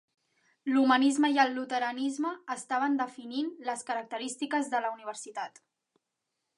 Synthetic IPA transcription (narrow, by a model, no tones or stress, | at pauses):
lumənizməjəlˠːut̪əɾənizməːst̪aβ̞ənd̪əfininləskəɾək̚t̪əɾist̪ikəzðələuniβ̞əɾsit̪at̪